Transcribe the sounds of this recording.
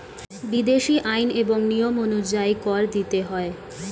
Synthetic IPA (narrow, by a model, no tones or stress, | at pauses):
bid̪eʃiʔajneboŋnijomonuɾd͡ʑajkɔɾd̪it̪eɦɔe